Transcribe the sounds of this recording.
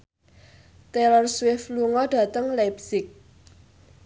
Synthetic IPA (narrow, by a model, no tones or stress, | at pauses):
t̪ɛlərswɪfluŋɔɖ̥a̤t̪əŋlap̚sɪk̚